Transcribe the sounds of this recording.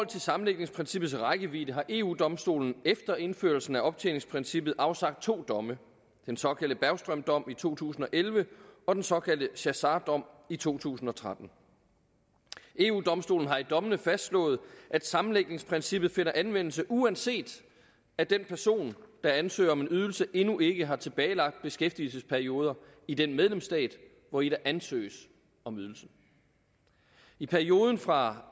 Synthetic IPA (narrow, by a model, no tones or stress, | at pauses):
ɒl̰t͡sʰe̝lsɑ̈mn̩le̝ɡ̥̚ne̝ŋspʰʁɛnsib̥ð̩ˠsʁɑ̈ɪɡ̥əʋḭːd̥əɦɑ̈ʔe̝ṵːd̥ɒ̽msd̥o̝̰ːln̩efd̥ɐe̝nfø̰ɐlsn̩æɒ̽b̥̚t͡sʰḛːle̝ŋspʰʁinsib̥ð̩ˠʔɑ̈ʊsɑ̈ɡ̥d̥̚t͡sʰo̝̰ːd̥ɒ̽mə | d̥ensɒ̽kʰæl̰d̥əb̥æɐʊsd̥ʁœmd̥ɒ̽m̰it͡sʰo̝̰ːt͡sʰṵːsn̩ɒ̽ʔelʋəɒ̽d̥ensɒ̽kʰæld̥əɕæsɑːd̥ɒ̽m̰it͡sʰo̝̰ːt͡sʰṵːsn̩ɒ̽t͡sʰʁad̥n̩ | e̝ːṵːd̥ɒ̽msd̥o̝ːln̩ɦɑ̈id̥ɒ̽mənəfæsd̥slɔ̰̽ːð̞̩ˠʔæd̥sɑ̈mn̩leɡ̥̚ne̝ŋspʰʁinsib̥ð̩ˠfe̝n̰ɐʔænʋen̰l̩səʔuænse̝̰ːd̥ | æd̥enpʰæɐso̝̰ːnd̥ɑ̈ænsø̰ːɐɒ̽me̝nyð̞ˠl̩səʔe̝nuʔe̝ɡ̥əɦɑ̈t͡sʰe̝b̥ɛːɪlɑ̈ɡ̥̚d̥̚b̥e̝sɡ̥efd̥ilsəspʰæɐio̝ːð̞ˠɐid̥enmeð̞ˠlemsd̥ɛ̰ːd̥ | ʋɒiɾ̥æʔænsø̰ːs | ɒ̽myð̞ˠl̩sn̩ | ipʰæɐio̝ːð̞ˠn̩fʁɑ̈